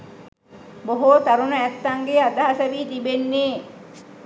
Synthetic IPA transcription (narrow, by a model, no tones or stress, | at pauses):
boɦot̪aɾunəæt̪ːaŋɡead̪aɦasəʋiːt̪ibenːeː